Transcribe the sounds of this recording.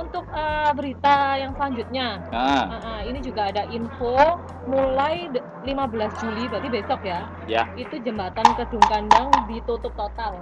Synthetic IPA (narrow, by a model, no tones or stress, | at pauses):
unt̪ʊk̚əːbəɾit̪ajaŋsəlaɲd͡ʒut̪̚ɲaaʔəinid͡ʒuɡaːdaʔinfo | mulaj | limabəlasd͡ʒulibat̪ibesɔkja | jait̪ud͡ʒəmbat̪ankədʊŋkandaŋdit̪ut̪ʊp̚t̪ot̪al